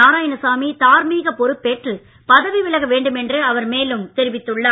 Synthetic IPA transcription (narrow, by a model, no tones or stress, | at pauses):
aːɾaːjɐnɐsaːmit̪aːɾmiːɣɐpɔɾɯpːeːʈrɯ | pɐðɐʋiʋɪɭɐɣɐʋeːɳɖɯmɛndrɯɐʋɐɾmeːlɯmt̪ɛɾɪʋɪt̪ːɯɭːɐː